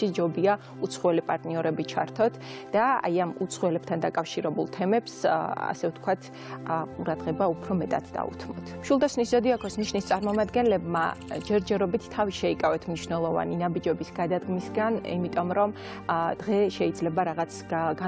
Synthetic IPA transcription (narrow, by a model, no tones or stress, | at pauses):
ʃid͡ʒɔbia | ut̪sʰχwɛlipʼaɾt̪ʼniɔɾɛbit͡ʃʰaɾt̪ʰɔt̪ʰd̪̥aa̰jamut̪sʰχwɛlɛp̚t̪ʰand̪akʼafʃiɾɛbulˠt̪ʰɛmɛpsa̰sɛft̪ʰkʰwat̪ʰ | qʼuɾad̪ʁɛbaupʰɾɔmɛt̪ʼad̪̥̚ʰd̪a̰ṵt̪ʰmɔ̰t̪ʰmʃwulˠd̪asniszɔd̪iakʰɔsmniʃnist̪sʼaɾmɔmad̪ɡɛnlɛbma̰d͡ʒɛɾd͡ʒɛɾɔbit̪ʰt̪ʰːaviʃɛikʼavɛt̪ʰmniʃnɛlˠɔva̰ninabid͡ʒɛbisɡad̪ad̪ɡmisɡanḭmit̪ʼɔmɾɔm | d̪̥ʁɛʃɛid̪zlɛbaɾaʁat̪sʰɡa